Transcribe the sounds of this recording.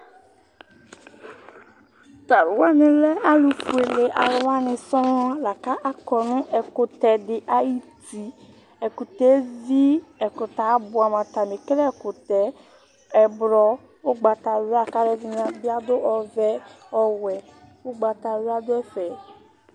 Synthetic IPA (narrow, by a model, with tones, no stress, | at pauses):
t̪a˨ɾʊ˨wa˦nẽ˨lɛ˦a˦lu˨fu˨e˨le˨ʔa˨ɾʊ˨wa˦nɪ̃˨sɔ˦a˦la˨ka˦ʔa˦kɔ˨nʊ̃˦ʔɛ˨kʊ˨t̪ɛ˨ɖɪ˨ʔa˦ji˦t̪i˨ | ɛ˨ku˨t̪ɛ˦zi˦ɛ˨kʊ˨t̪a˨˦bʊ˨a˨mã˨t̪a˨mẽ˨kɾɛ˦˨kʊ˨t̪ɛ˨ | ɛ˨bɾɔ˦ | wo˦ɡ͡ba˨t̪a˨we˦a˦˨ka˦ɾɛ˦vi˦ɲã˨bi˦a˦d̪o˦ʔɔ˨vɛ˦ | ɔ˦wɛ˨wo˦ɡ͡ba˨t̪a˨we˦a˦d̪ʊ˦ɛ˦fɛ˨